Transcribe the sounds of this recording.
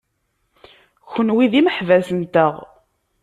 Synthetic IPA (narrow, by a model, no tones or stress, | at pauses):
çənwiðiməħvæsənt̪əʁ